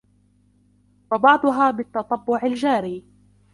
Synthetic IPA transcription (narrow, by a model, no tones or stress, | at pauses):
wɑbɑʕd̪ˤʊɦaːbɪt̪ːɑt̪ˤɑbːʊʕald͡ʒaːɾiː